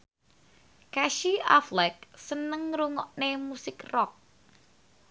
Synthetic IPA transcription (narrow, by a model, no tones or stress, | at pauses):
kaʃia̰flɛk̚sənəŋɾuŋɔʔnemusɪkrɔk̚